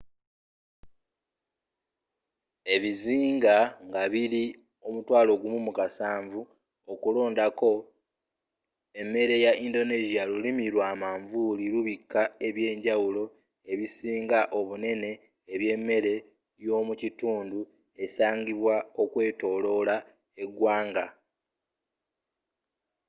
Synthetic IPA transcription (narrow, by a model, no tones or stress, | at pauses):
e̞βiziːŋɡaŋɡaβiɾi | omutwaːlo̞ɡumumukasaːɱvu | okulo̞ːndako̞ | e̞mːe̞ɾe̞jaʔindo̞neʒialulimiɾwaːmaːɱvuliɾuβikːae̞βje̞ːɲɟawulo̞ | e̞βisiːŋɡaʔo̞βune̞ne̞ː | βje̞mːe̞ɾe̞ | jo̞ːmucituːndu | e̞saːɲɡiβwao̞kwe̞ːto̞ːlo̞la | e̞ɡwaːŋɡa